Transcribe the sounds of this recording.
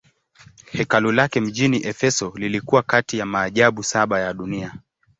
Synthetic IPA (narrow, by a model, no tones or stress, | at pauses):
hɛkalulakɛm̩ʄiniʔɛfɛsɔlilikuwakatijamaːʄaɓusaɓajaɗunia